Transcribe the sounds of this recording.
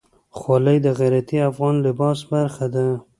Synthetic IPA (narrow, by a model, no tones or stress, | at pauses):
xwɑləjd̪əɣajɾat̪iafɣɑnlɪbɑsbaɾxad̪a